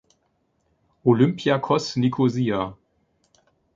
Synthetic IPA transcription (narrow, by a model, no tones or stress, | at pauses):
ʔolʏmpʰjakʰɔsnikʰozia